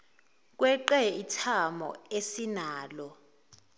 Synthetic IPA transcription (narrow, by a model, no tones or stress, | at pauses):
k̬wɛǃɛitʰamɔ̰esinaːlɔ